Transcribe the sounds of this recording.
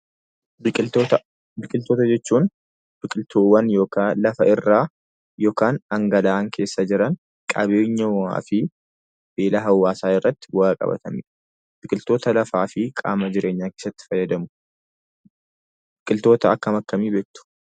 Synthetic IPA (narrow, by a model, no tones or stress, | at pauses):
o | bɪkʼɪlt̪oːt̪ɐd͡ʒɛt͡ʃːuːn | b̥ɪkʼɪlt̪ʰoːwɐnjo̞ːkalɐfɐɪrːaː | joːkaːnɐŋɡɐlaːŋkʰe̞ːsːɐd͡ʒɪɾɐn | kʼɐ̰βe̞ːɲːɐa̰ːfɪ | b̥eːlɐɦɐwːaːsaːɪrːɐt̪ːɪ̥wɐakʼɐ̰bɐ̰t̪ɐmḭː | b̥ɪkʼɪlt̪o̞ːt̪ɐlɐfaːfɪkʼa̰ːmɐd͡ʒɪɾʔe̞ːɲːaːkeːsːɐt̪ːɪ̥fɐjːɐd̪ɐmʊ̥ | bɪkʼɪlt̪o̞ːt̪ɐɐkːɐmɐkːɐmiːbeːkt̪ʊ̥